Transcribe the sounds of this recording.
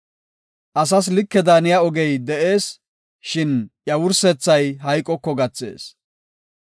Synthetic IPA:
ʔɐs̬ɐs̬lɪkːɛd̪aːnɪjaɔɡɛjd̪ɛʔe̞ːs | ʃɪnjɐwʊɾsɛt͡sːɐjɦɐjkʼːɔkːɔɡɐt͡sːe̞̰ːs

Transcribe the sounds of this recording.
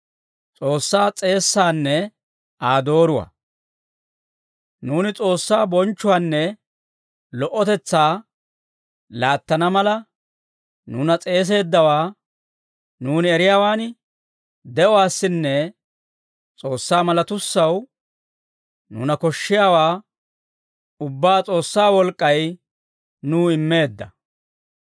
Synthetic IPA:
t͡sʼo̞ːsːaːt͡sʼe̞ːsːaːnːɛ | aːd̪o̞ːɾʊwɐ̰ː | nuːnɪt͡sʼo̞ːsːaːbɔnt͡ʃːʊwaːnːɛ | lɔʔɔt̪ɛt͡sːaː | laːt̪ːɐnɐmɐlɐ | nuːnɐt͡sʼe̞ːs̬e̞ːd̪ːɐwaː | nuːnɪɛɾɪjaːwaːn | d̪ɛʔɔwaːsːɪnːɛ | t͡sʼo̞ːsːaːmɐlɐt̪ʊsːɐw | nṵːnɐkɔʃːɪjaːwaː | ʊbːaːt͡sʼo̞ːsːaːwɔlkʼːɐj | nuːɪmːe̞ːd̪ːɐ

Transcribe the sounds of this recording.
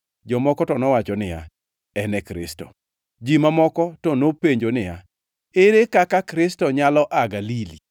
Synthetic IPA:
d͡ʒɔmɔkɔtɔnɔwat͡ʃɔnɪja̰ | ɛnɛkɾɪ̰stɔ̰ | d͡ʒimamɔkɔtɔnopeɲd͡ʒonɪja | eɾekakakɾɪstɔɲalɔʔaɡalili

